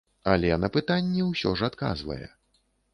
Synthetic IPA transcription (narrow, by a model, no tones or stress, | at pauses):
alʲɛnɐpɨt̪anʲːɛwsʲɔʐat̪ka̰zvɐ̰jɛ̰